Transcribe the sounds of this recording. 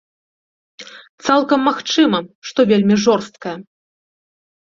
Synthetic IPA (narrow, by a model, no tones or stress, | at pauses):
t̪salˠkɐmːaxt͡ʂɨmɐʂt̪ɔvʲelʲmʲiʐɔrst̪̚kɐjɐ